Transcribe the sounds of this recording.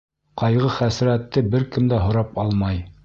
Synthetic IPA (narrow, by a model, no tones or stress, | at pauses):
qɑjʁɤχæsɾæt̪ːɘbɘɾkɘmd̪æɦŏɾɑpɑlˠmɑj